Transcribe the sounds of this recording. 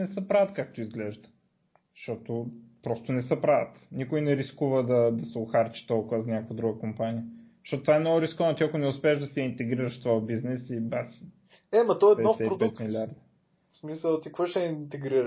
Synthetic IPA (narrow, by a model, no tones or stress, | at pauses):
nɛsəpɾavət̪kak̚t̪oizɡlɛʒd̪ə̥ | ʃt̪ɔt̪opɾɔst̪ʊnɛsəpɾavət̪nikʊjnɛɾiskuvəd̪ɐd̪ɐsɛʊxaɾt͡ʃi̥t̪ɔlˠkʊvəzɐnʲakovəd̪ɾuɡəkompaniə | t̪ɔt̪ot̪vaɛnɔɡʊɾiskɔnt̪iɐkʊnɛʊspɛːʒd̪ɐsɛint̪ɛɡɾiɾəʃst̪vojəbiznɛsibasi̥ | ɛmɐt̪ɔɛɛnɔfɛɾod̪ɛt̪milʲiaɾd̪ɐ | smisəlˠt̪ikvəʃɛint̪ɛɡɾiɾ